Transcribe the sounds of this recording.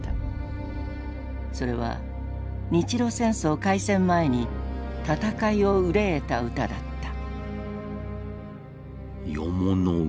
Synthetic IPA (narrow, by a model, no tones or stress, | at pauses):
a | so̞ɾe̞β̞a̰ | ɲ̟it͡ɕiɾo̞ːsẽ̞ɰ̃so̞ːkaisẽ̞mːae̞ɲ̟it̪at̪akaio̞ɯ̟ɾeːt̪aɯ̟t̪ad̪at̪ːḁ | jo̰mono